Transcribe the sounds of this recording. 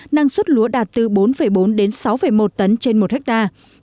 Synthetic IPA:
na˧ŋswə˦˥t̚lu˨˦əɗaː˨˩t̚t̪ɨ˨˩ɓo˨˦nfə˨˩jɓo˨˦nɗe˨˦nsa˨˦wfə˨˩jmo˨˩t̚t̪ə˨˦nt͡ɕe˧nmo˨˩t̚hɛ˦˥k̚t̪aː˧

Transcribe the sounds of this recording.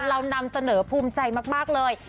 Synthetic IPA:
ɾa˧wna˧msa˧nɤː˩˦pʰuː˧mt͡ɕa˧jmaː˥˩k̚maː˥˩k̚lɤː˧j

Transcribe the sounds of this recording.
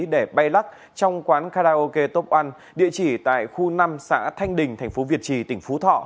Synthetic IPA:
ɗe˧˩ɓa˧jla˦˥k̚ | t͡ɕɔ˧wŋ͡mkwaː˨˦nkaː˧ɗaː˧ʔo˧ke˧t̪o˦˥p̚ʔa˧n | ɗḭ˧˨ət͡ɕi˧˩t̪a̰ː˧˨jxu˧na˧msa̰ː˧˥t̪ʰa˧jŋ̟ɗï˨˩ŋt̪ʰa˨˩jŋ̟fo˨˦vi˨˩ət̚t͡ɕi˨˩t̪ï˧˩ŋ̟fo˨˦t̪ʰɔ̰˧˨

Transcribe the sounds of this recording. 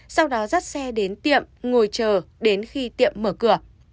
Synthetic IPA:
sa˧wɗɔ˨˦za˦˥t̚sɛ˧ɗe˨˦nt̪ḭ˧˨əmŋo˨˩jt͡ɕəː˨˩ɗe˨˦nxi˧t̪ḭ˧˨əmːəː˧˩kɨ˧˩ə

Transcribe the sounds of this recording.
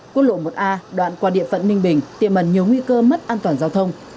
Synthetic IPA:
kwək̚lo̰˧˨mo˨˩t̚ʔaː˧ɗwa̰ː˧˨nkwaː˧ɗḭ˧˨əfə̰˧˨nnï˧ŋ̟ɓï˨˩ŋ̟t̪i˨˩əmə˨˩nɲi˨˩əwŋwi˧kəː˧mə˦˥t̚ʔaː˧nt̪waː˨˩nzaː˧wt̪ʰə˧wŋ͡m

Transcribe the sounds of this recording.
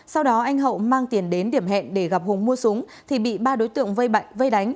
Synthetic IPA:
sa˧wɗɔ˨˦ʔa˧jŋ̟ɦə̰˧˨wmaː˧ŋt̪i˨˩ənɗe˨˦nɗi˧˩əmɦɛ̰˧˨nɗe˧˩ɣa˨˩p̚hʊ˨˩ŋ͡mmu˧əsʊ˨˦əŋ | t̪ʰi˨˩ɓḭ˧˨ɓaː˧ɗo˨˦jt̪ɨ̰˧˨əŋvə˧jɓa̰˧˨jvə˧jɗa˨˦jŋ̟

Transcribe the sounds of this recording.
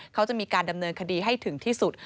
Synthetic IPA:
kʰa˦˥wt͡ɕa˨˩ʔmiː˧kaː˧nda˧mnɤː˧nkʰa˧diː˧ɦa˥˩jt̪ʰɯ˨˩˦ŋt̪ʰiː˥˩su˨˩t̪̚

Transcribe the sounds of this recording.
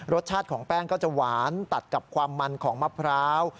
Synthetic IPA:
ɾo˦˥t̪̚t͡ɕʰaː˥˩t̪̚kʰɔː˩˦ŋpɛː˥˩ŋkɔː˥˩t͡ɕa˨˩waː˩˦nt̪a˨˩t̪̚ka˨˩p̚kʰwaː˧mːa˧nkʰɔː˩˦ŋma˧˥˩pʰɾaː˦˥w

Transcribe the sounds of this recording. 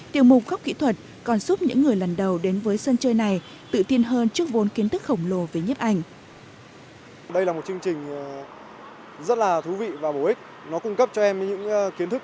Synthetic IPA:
t̪i˨˩əwmʊ˨˩k͡p̚ɣa˦˥k͡p̚kḭ˧˥t̪ʰwə˨˩t̚ | kɔ˨˩nsu˦˥p̚ɲɨ̰˧˥ŋːɨ˨˩əjlə˨˩nɗə˨˩wɗe˨˦nvəː˨˦jsə˧nt͡ɕəː˧jna˨˩j | t̪ɨ̰˧˨t̪i˧ənɦəː˧nt͡ɕɨ˦˥ək̚vo˨˦nki˨˦ənt̪ʰɨ˦˥k̚xə˧˩wŋ͡mlo˨˩ve˨˩ɲi˦˥p̚ʔa˧˩jŋ̟ | ɗə˧jlaː˨˩mo˨˩t̚t͡ɕɨ˧əŋt͡ɕï˨˩ŋ̟ | zə˦˥t̚laː˨˩t̪ʰu˨˦vḭ˧˨vaː˨˩ɓo˨˩ʔï˦˥k̟̚ | nɔ˨˦kʊ˧ŋ͡mkə˦˥p̚t͡ɕɔ˧ʔɛ˧mɲɨ̰˧˥ŋki˨˦ənt̪ɨ˦˥k̚

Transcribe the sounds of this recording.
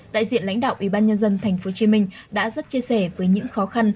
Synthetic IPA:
ɗa̰ː˧˨jzḭ˧˨ənla̰˧˥jŋ̟ɗa̰ː˧˨ʔi˧˩ɓaː˧nɲə˧nzə˧nt̪ʰɛ˨˩jŋ̟fo˨˦t͡ɕi˨˦mï˧ŋ̟ | ɗa̰ː˧˥zə˦˥t̚t͡ɕi˧əsɛ˧˩vəː˨˦jɲɨ̰˧˥ŋxɔ˨˦xa˧n

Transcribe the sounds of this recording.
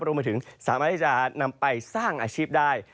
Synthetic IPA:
ɾu˧ma˧t̪ʰɯ˩˦ŋsaː˨˩˦maː˥˩t̪ʰi˥˩t͡ɕa˩na˧mpa˧jsaː˥˩ŋʔaː˧t͡ɕʰiː˥˩p̚daː˥˩j

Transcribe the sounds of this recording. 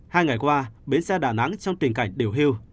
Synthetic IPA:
haː˧jŋa˨˩jkwaː˧ɓe˨˦nsɛ˧ɗa̰ː˧˩na˨˦ŋt͡ɕɔ˧wŋ͡mt̪ï˨˩ŋ̟ka˧˩jŋ̟ɗi˨˩əwɦi˧əw

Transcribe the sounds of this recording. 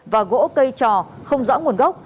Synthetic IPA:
vaː˨˩ɣo̰˧˥kə˧jt͡ɕɔ˨˩xə˧wŋ͡mzɔ̰˧˥ŋu˨˩ənɣə˦˥wk͡p̚

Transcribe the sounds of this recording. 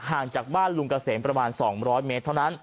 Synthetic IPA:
haː˨˩ŋt͡ɕaː˨˩k̚baː˥˩nlu˧ŋka˧seː˩˦npɾa˧maː˧nsɔː˩˦ŋɾɔː˦˥jmeː˦˥t̪ʰːa˥˩wna˦˥n

